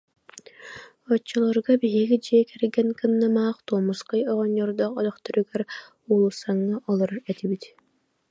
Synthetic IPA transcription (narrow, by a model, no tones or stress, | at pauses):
ɔt͡ʃːɔlˠɔɾɡabiɦiɡid͡ʑiɛkɛɾɡɛnkɯnːamaːχt̪uɔmusqɯjɔʁɔɲːɔɾd̪ɔχɔd̪ɔχt̪ɔɾyɡɛɾ | ulˠusaŋːaʔɔlˠɔɾaɾɛt̪ibit̪